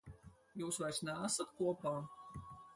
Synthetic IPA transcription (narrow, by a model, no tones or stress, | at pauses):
juːsvaɾʲsnʲææsat̪kuɔpaː